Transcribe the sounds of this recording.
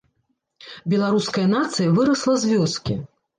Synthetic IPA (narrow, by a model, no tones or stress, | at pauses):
bʲɛlˠaɾuskɐjɐnat̪sɨjɐvɨɾɐslˠɐzʲvʲɔskʲi